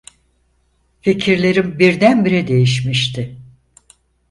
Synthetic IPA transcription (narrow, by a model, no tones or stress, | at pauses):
fecʰiɾlʲe̞ɾimbiɾd̪ænbiɾɛd̪e̞jiʃ̬miʃt̪ʰɪ